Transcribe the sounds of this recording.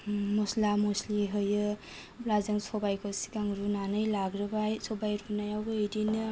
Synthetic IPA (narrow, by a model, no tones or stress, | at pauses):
mɔslamosliɦɯjɯ | blazɐŋsɔbajkʰosi̥ɡaŋɾunanɯjlaɡɾɯbajsʰɔbajɾunajawbɯejdinɯ